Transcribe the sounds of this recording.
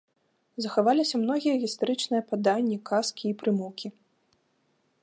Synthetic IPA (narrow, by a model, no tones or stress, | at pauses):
zɐxavalʲisʲɐmn̪ɔɣʲijɐɣʲist̪aɾɨt͡ʂnɨjɐpad̪anʲːikaskʲiːpɾɨmuwkʲi